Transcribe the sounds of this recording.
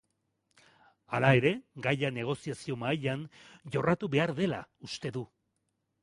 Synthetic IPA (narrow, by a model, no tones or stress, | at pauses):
alae̞ɾe̞ɡajane̞ɣ̞o̞siasio̞maʎanʝo̞rat̪uβe̞aɾðe̞la̰ust̪e̞ðu